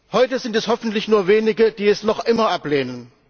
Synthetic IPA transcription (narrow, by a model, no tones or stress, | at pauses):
hɔʏtəzɪntɛshɔfn̩tlɪçnuːɐveːnɪɡəd̥iːɛsnɔχʔɪmɐʔapleːnən